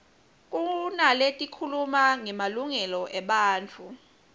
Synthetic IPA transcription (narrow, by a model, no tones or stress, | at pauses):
k̬ʼunaletʼikʰulumaŋɛmaluŋɛlɔʔɛɓaːnt͡fʰu